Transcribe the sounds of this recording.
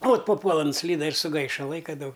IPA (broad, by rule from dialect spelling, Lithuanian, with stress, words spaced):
oːt pɐˈpuɔlˠɐ nʊˈsʲlʲiːdɐ ɪr sʊˈɡɐɪʃɐ ˈlˠɐɪkɐ ˈdɐʊk